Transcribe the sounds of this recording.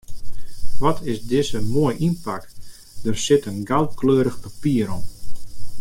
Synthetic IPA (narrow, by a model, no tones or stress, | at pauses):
ʋɔtʰɪsdɪzəmoəjʔinpak | d̥ərsɪtənɡal̚ˠkløːɾəxpapiəɾɔm